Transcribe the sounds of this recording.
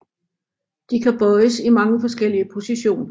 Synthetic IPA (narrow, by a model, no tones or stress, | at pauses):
d̥ikʰæb̥ɒɪəsimɑ̈ŋəfɒ̽sɡ̥el̰iəpʰo̝siɕo̝̰ːnɐ